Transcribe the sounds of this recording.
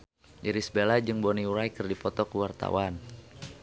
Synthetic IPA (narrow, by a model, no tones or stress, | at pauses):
iɾisbelad͡ʒɨŋbɔniuɾajkərdipɔt̪ɔkuwart̪a̰wan